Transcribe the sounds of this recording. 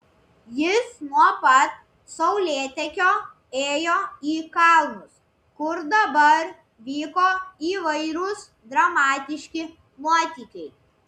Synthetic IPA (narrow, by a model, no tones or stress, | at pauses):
jɪsnuɔpɐt̪̚ | sɐʊlʲeːt̪ʲɛkʲoː | eːjoːiːkɑˑlˠmʊs | kʊɾd̪ɐbɐɾ | ʋʲiːkoːiːʋɐɪɾʊs | d̪ɾɐmɑːt̪ʲɪʃʲkʲɪ | muɔt̪ʲiːkʲɛɪ